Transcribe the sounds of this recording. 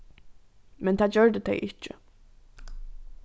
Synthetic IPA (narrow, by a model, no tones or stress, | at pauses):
mɛnt̪ʰaːd̪d͡ʑœɹd̪ət̪ʰɛɪʔɪcɪ̰